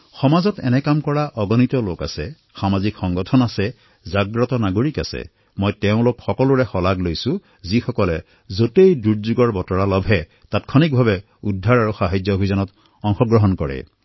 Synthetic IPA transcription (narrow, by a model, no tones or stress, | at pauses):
xɔmazɔtɛ̰nɛkamkɔɹaʔɔɡɔnitɔloka̰sɛ | xamazikxɔŋɡɔtʰɔnasɛ | zaɡɹɔtɔnaɡoɹika̰sɛ̰ | mɔjtɛʊ̃lokxɔkɔlʊɹɛxɔlaɡlojsʊ̃ | zixɔkɔlɛ | zotejduɹzuɡɔɹbɔtɔɹalɔbʱɛ | tatkʰɔnik̚bʱabɛ | udʱːaɹaɹuxaɦajd͡ʒjɔobʱizanɔt | ɔŋxɔɡɹɔɦɔnkɔɹɛ̰